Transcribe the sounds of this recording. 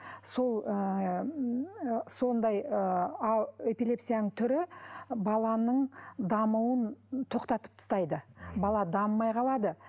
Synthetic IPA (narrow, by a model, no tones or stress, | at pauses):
so̞lˠ | so̞nd̪ɑjə | epilʲe̞psijanəɴt̪ʰʏɾɪbɑlˠɑnəɴd̪ɑmuwənt̪ʰo̞qt̪ɑt̪ə̥p̚t̪ʰʊ̥st̪ɑjd̪əbɑlˠɑd̪ɑmːɑjqʰɑlˠɑd̪ə